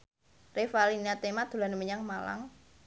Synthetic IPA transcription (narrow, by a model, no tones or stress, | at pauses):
refaliniat̪emad̪̥o̤lanəməɲaŋmala̰ŋ